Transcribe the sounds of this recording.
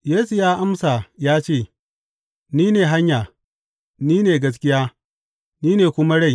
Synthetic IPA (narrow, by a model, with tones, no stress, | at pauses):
jeː˦su˨jaː˦ʔa˦msa˨jaː˦t͡ʃeː˦˨ | niː˦neː˨ɦa˦ɲjaː˨ | niː˦neː˨ɡɐ˦s̬kʲɪ˦jaː˦ | niː˦neː˨kʷʊ˦ma˦ɽa˦j